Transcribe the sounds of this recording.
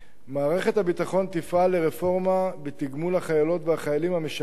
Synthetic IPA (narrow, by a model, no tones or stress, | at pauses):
maːʁe̞χe̞t̪habit̪aχo̞nt̪ifʔaleʁefo̞ʁmabet̪iɡmulaχajalo̞t̪veaχajalimhameʃ